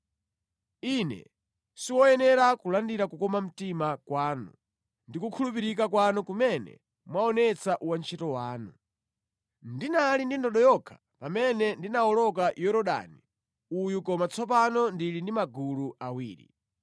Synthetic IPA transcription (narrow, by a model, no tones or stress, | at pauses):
inɛ̰ | siwɔjɛnɛɾakulandiɾakukɔmam̩timakwaːnṵ | ndikukʰulup̬iɾikakwanukumɛnɛ̰ | mwaɔnɛt͡saʔuwant͡ʃʰɛtɔwaːnu | ndinalindindɔɗɔjɔkʰḁ | pamɛnɛndinawɔlɔk̬ajɔɾɔɗa̰ni | ujukɔmat͡sʰɔpanɔndilindimaɡuluawiːɾḭ